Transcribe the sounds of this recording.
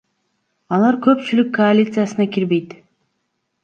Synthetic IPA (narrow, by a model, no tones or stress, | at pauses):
ɑlˠɑɾkʰø̞pt͡ʃylykʰːoalʲit̪sɨjasɯnɑkʲiɾbe̞jt̪